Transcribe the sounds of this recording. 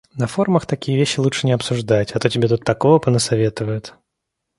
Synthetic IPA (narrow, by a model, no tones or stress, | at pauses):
nɐfo̞rməxt̪ɐkʲijəvʲeɕːɪlˠut͡ʂʂɨnʲɪɐpsʊʐd̪atʲɐt̪otʲɪbʲet̪ut̪ːɐko̞vəpənəsɐvʲe̞t̪əvəjʊt̪